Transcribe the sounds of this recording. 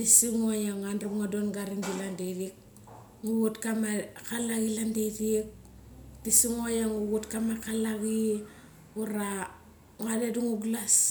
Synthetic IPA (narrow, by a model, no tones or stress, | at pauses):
tisiŋojaŋanrubŋadonɡaɾiŋdilandedik̚ | ŋuɣutkamakalaɣilandedik̚ | tisiŋojaŋuɣutkamakalaɣi | uɾa | ŋadeduŋuɡlas